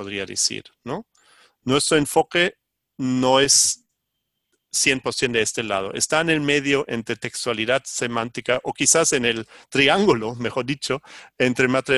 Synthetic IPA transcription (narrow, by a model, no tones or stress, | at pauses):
oðɾiaðḛsḭɾno | nwest̪ɾoeɱfo̞ke̞ | noe̞s | je̞npoɾsje̞nd̪eest̪e̞la̰ð̞oʔḛst̪aene̞lme̞ðjo̞ʔe̞nt̪ɾet̪e̞kst̪waliðaðse̞mãnt̪ikaʔokisase̞ne̞lt̪ɾiaŋɡulome̞xo̞ɾðit͡ʃo̞ent̪ɾemast̪ɾi